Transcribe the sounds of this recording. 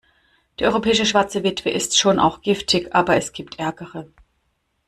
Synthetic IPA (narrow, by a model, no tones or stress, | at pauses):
d̥iːɐʔɔʏʁopʰɛːɪʃəʃv̥aɐt͡səvɪtv̥əʔɪstʃoːnʔa̰ʊxɡ̥ɪftʰɪçʔaːbɐɛsɡ̥iːp̚tʔɛɐɡəʁə